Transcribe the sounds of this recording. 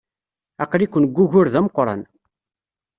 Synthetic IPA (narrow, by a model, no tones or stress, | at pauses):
ɑqlikʷːʊnɡʷːʊʝʊɾðæməqɾˤɑ̰n